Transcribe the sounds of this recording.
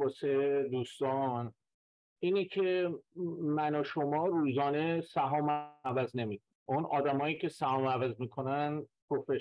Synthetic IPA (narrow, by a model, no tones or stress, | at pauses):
ɒːsed̪uːst̪ɒːn | iːnecʰe | mænɒʃomɒːɾuːzɒːnesæɦɒːmævæzne̞miːkʰonʔonɒːd̪æmɒːjiːcʰe̞sæhɒːmævæzmiːkʰo̞nænpʰɾofe